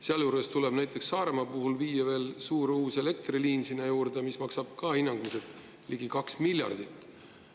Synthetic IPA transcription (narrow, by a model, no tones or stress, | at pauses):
seɑljuːɾe̞st̪ule̞b̥næjt̪ˑːe̞ksːɑːɾe̞mɑpuɦulviːjɑve̞ːlsuːɾuːse̞le̞k̚t̪riliːnsinːejuːɾd̪emismɑksɑb̥̚kɑinːɑŋɡ̥umiset̪ˑ | liɡ̥ikɑksmilʲjɑ̰rd̪̥it̪ˑː